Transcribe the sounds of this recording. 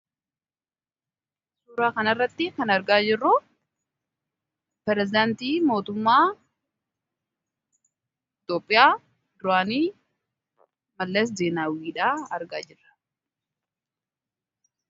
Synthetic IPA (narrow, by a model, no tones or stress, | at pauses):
suːɾaːkɐnɐrːɐt̪ːɪkɐnɐɾɡaːd͡ʒɪrːʊ | pɛɾɛzɪd̪aːnt̪iːmo̞ːt̪ʊmːaː | ɪt̪oːpʼːɪjaː | d̪ʊɾaːniː | mɐlːeːs̬d̪eːnaːwiːᶑaːɐɾɡaːd͡ʒɪrːɐ̥